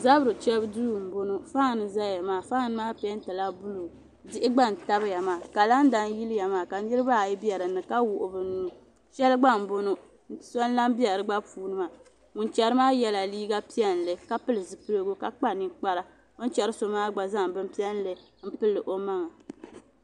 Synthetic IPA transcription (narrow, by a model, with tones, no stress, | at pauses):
za˦bɾɨ˨t͡ʃɛ˦bdu˦˨m̩˨bo˦no˦fa˦˨nɨ˨za˦˨ja˨maː˨fa˦ŋ˨nɨ˦maː˦pɛ˦n˦ta˨la˦bu˦lu˨ | dɪ˦ʔɪ˦ɡ͡ba˦n̩˨ta˦bɨ˦ja˨maː˨ka˨la˦n˦da˦n˦ji˦lɨ˦ja˨maː˨ka˨ni˦ɾɨ˦ba˦˨ji˦bi˦ɛ˨ɾɨ˨nɨ˨ka˦wʊ˨ʔʊ˨bɨ˨n˦nːu˨ | ʃɛ˦lɨ˦ɡ͡ba˦m̩˨bo˦no˦˨ | sɔ˦n˦la˦m˦bi˦jɛ˨ɾɨ˦ɡ͡ba˦puː˦nɨ˦ma˨ | ŋu˨nt͡ʃɛ˨ɾɨ˦maː˦jɛ˦la˨liː˦ɡa˦pi˦ɛ˦n˨lɨ˨ka˦pɨ˦lɨ˨zɨ˨pɨ˦ɾo˦ɡu˦ka˨k͡pa˦ni˨k͡pa˦ɾa˦ | o˦n˦t͡ʃɛ˦ɾɨ˦so˨maː˦ɡ͡ba˨za˦˨bɨ˦mpi˦ɛ˦n˦lɨ˨ | m̩˦pɨ˦lːɨ˨ʔo˦ma˦ŋa˨